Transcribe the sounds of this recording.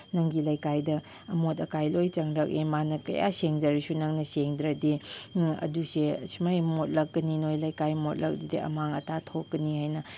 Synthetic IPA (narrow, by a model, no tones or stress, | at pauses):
nɐŋɡilɐjkajdɐː | motɐkajlojt͡ʃɐŋɾɐk̚ʔimanɐkɐ̰ja̰seŋd͡ʒɐɾisunɐŋnɐseŋd̪ɾɐdiɐ̰dusesimajmot̚lɐk̚ɡɐninojlɐjkajmot̚lɐ̰k̚didiɐ̰maŋɐtatʰokːɐnihajnɐ